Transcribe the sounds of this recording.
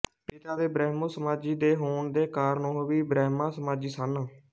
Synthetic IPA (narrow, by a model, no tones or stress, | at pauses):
piːt̪aːd̪eːbɾɛːɦmõːsəmaːd͡ʒiːd̪eːɦoːɳd̪eːkaːɾnõːʋiːbɾɛːɦmãːsəmaːd͡ʒiːsanə